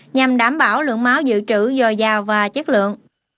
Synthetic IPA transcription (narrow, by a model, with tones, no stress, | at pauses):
ɲa˨˩mɗaː˧˩mɓaː˧˩wlɨ̰˧˨əŋmaː˨˦wzɨ̰˧˨t͡ɕɨ˧˩zɔ˨˩jzaː˨˩wvaː˨˩t͡ɕə˦˥t̚lɨ̰˧˨əŋ